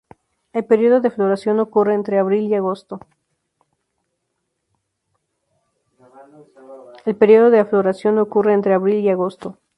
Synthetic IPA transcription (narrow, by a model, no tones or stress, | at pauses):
e̞lpeɾjo̞ðo̞ðeflo̞ɾasjo̞no̞kure̞ːnt̪ɾe̞aβɾiliaɣo̞st̪o | e̞lpeɾjo̞ð̞o̞ðeaflo̞ɾasjo̞no̞kure̞eːnt̪ɾe̞aβɾiliaɣo̞st̪o̞